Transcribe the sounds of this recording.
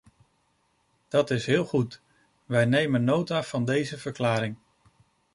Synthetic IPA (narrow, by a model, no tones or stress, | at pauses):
d̥ɑtɪsɦɪːlˠχut | ʋɛjnejmənːowtaːv̥ɑndejzəvəɹklaːɾɪŋ